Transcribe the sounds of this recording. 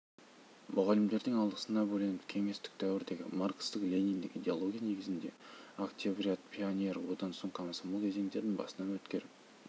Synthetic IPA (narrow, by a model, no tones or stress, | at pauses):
mʊʁɑlɪmd̪e̞ɾd̪ɪŋɑlˠd̪əsənɑbɵlenɪpkʲʰe̞ŋe̞st̪ɪ̥k̚t̪ʰæwɪɾd̪e̞ɡʲɪ̰markst̪əqlʲejnʲijnd̪ɪkʲid̪ʲealˠo̞ɡʲijane̞ɡʲɪzɪnd̪e̞akt̪ʲiobrʲiat̪pʰionʲe̞ɾwo̞d̪ɑnsoɴkʰamsoməlˠkʲʰe̞ze̞ŋd̪e̞ɾd̪ɪŋbɑ̰sənɑnwɵt̪kʲe̞ɾɪ